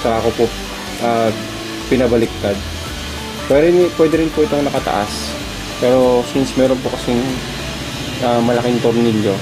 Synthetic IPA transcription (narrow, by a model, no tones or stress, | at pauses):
sɐʔɐkopo | ʔɐː | pɪnɐbɐlɪk̚t̪ad̪̚ | pɛɾpwɛd̪ɛɾɪnpoʔɪt̪o̞ŋnɐkɐt̪ɐ̰ʔa̰s | pɛːɾo̞sinsmɛːɾonpokɐsɪŋ | amɐlɐkɪŋt̪oɾnɪʎːjo